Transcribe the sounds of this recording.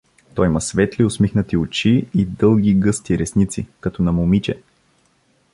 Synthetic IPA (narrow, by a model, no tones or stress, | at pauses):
t̪ɔjimɐsvɛt̪liʊsmixnət̪iʊt͡ʃiid̪ɤlˠɡ̟ʲiɡɤst̪iɾɛsnit̪sḭkɐt̪ɔnɐmʊmit͡ʃɛ